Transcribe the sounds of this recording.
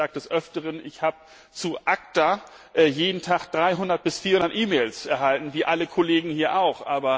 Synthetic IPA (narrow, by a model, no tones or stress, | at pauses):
aːk̚td̥ɛsʔœftəʁənɪçhaːbə | t͡suʔak̚ta | ʔɛjeːdn̩tʰaχd̥ʁaɪɦʊndɐt̚b̥ɪsfiːɐhʊnɐtʔiːmeːlsʔɛɐɦaltn̩viːʔaləkʰoleːɡŋ̩hiːɐʔaʊχʔaːbɐ